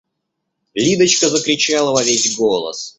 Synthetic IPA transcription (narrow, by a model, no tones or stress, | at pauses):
lʲid̪ət͡ɕkəzəkɾʲɪt͡ɕalˠəvɐvʲezʲɡolˠə̰s